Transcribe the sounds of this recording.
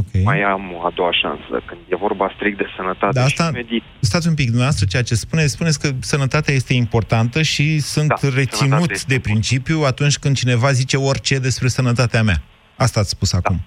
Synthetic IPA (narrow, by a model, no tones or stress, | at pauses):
okʰʲejmajamoad̪o̞waʃa̰nsə̰kɨnd̪je̞vo̞rbast̪ɾik̚t̪̚d̪e̞sənət̪at̪d̪aast̪aed̪ist̪at̪sʲump̬ikd̪umnɐaast̪ɾət͡ʃe̞jat͡ʃe̞spune̞t̪sʲpunesʲkəsənət̪at̪eaje̞st̪e̞impo̞rt̪ant̪əʃisunt̪re̞t̪sinut̪d̪e̞pɾint͡ʃipjuat̪unt͡ʃʲkɨnd̪̚t͡ʃine̞vazit͡ʃe̞o̞rʲt͡ʃe̞d̪e̞spɾe̞sənət̪at̪eamea̰ | ast̪aːt̪sʲspusakum